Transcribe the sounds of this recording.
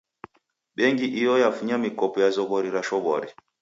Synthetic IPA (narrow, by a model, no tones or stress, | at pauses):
ɓɛŋɡiʔijɔjafuɲamikɔpɔjazɔβɔɾiɾaʃɔβɔɾi